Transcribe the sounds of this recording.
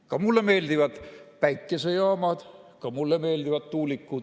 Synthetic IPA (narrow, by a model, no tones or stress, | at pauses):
kɑmulːeme̞ːld̪ivɑd̪̥pæjkːˑe̞sejɑːmɑd̪̥kɑmulːeme̞ːld̪ivɑd̪t̪uːlikːud̪̥